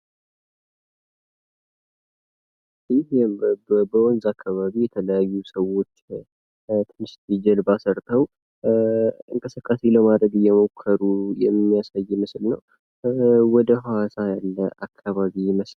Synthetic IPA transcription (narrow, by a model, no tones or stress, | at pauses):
ɪɦebəwɔnzakʰːaβaβijɛt̪ʰələjajːusəwo̞t͡ʃː | t̪ʰɨnɨʃt̪id͡ʒɛlbasəɾt̪ʼʰəw | ɨŋkʼəsəkʼːase̞ləmad̪ɾəɡɨjːɛmo̞kʰːəɾujɛmːijasajːmɨslnəw | wɔd̪əɦawasajalːəʔakʰːaβaβiməs